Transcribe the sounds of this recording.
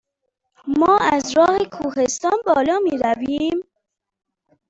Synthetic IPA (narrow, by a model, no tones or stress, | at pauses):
mɒːæzɾɒːɣekʰuːhest̪ɒːnbɒːlɒːmiːɾæviːm